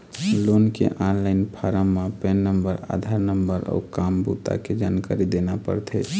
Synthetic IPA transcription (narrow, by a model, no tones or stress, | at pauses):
lonkḛʔanlaɪnpʰaɾəmːapenːəmbəɾa̰d̪ʱaɾnəmbəɾɔ̰ukambut̪a̰ked͡ʒankaɾid̪enapə̰ɾt̪ʰɛt͡ʃʰ